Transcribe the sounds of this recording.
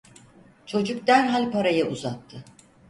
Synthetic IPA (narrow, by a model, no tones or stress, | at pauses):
t͡ʃʰo̞d͡ʒuk̚d̪ænɦalʲpaɾajɯʔuzat̪ʰːɯ